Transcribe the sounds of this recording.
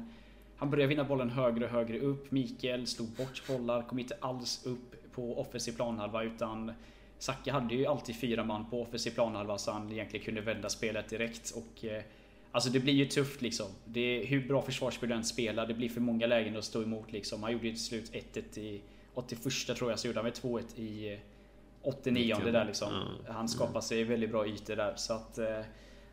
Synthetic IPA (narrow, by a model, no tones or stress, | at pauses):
hanbœɾjad̪vɪnːabɔlːənɦøːɡɾəɔɦøːɡɾəɵpːmiːkəlsluːɡ̪̚bɔʈːbɔlːaɾkʰɔmːɪnt̪əʔalsɵpʰːɔɔfənsɪpʰlɑːnhalvaʉ̟ːt̪ʰan | sakːaɦad̪ːəjɵalt̪ʰiːd̪̥fyːɾamanːpʰɔɔfɛnsɪpʰlɑːnhalvasɔhanɪjɛnt̪lɪɡənkʰɵnd̪əvɛnd̪aspeːlət̪̚d̪ɪɾɛkt̪ʰɔk | ʔals̬ɔd̪ɛblɪjɵt̪ʰɵft̪lɪksɔmd̪ɛɦɵbɾɑːfœʂvɑːʂkɵld̪ɛnspeːlad̪ɛblɪɾfœɾmɔŋːalɛːɡənəɾɔst̪oːɛmuːt̪lɪksɔmhanjuːɖːəjɵt̪ʰɪslʉ̟ːt̪ʰɛt̪ːɛt̪ːɪ | ɔt̪ːɪfœʂʈat̪ʰɾuːɾjasɔjuːɖəhanvɛt̪ʰvoːɛt̪ʰːɪ | ɔt̪ːɪniːɔnd̪əd̪æɭɪksɔmhanskɑːpad̪sɛjvɛld̪ɪt̪̚bɾɑːyːt̪əd̪æɾsɔat̪